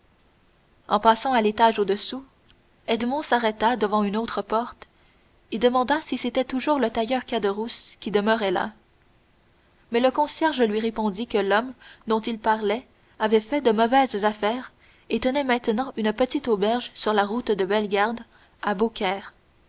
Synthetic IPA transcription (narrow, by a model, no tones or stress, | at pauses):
ɑ̃pasɑ̃alet̪aʒod̪əsu | ɛd̪mɔ̃saʁɛt̪ad̪əvɑ̃ynot̪χəpɔʁt̪ | ed̪əmɑ̃d̪asiset̪ɛt̪uʒuːʁlət̪ajœʁkad̪əʁuskʲid̪əmœʁɛla̰ | mɛləkɔ̃sjɛʁʒəlɥiʁepɔ̃d̪ikəlɔmd̪ɔ̃t̪ilpaʁlɛ | avɛfɛd̪əmɔvɛzzafɛːʁ | et̪ənɛmɛ̃t̪nɑ̃ʔynəpət̪it̪obɛʁʒsyʁlaʁut̪d̪əbɛlɡʲaʁd̪ | abokʲɛːʁ